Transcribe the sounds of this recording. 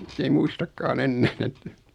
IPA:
s ei muistɑkːɑːn enːæːn etːæ

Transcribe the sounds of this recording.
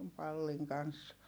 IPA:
pɑlːiŋ kɑns

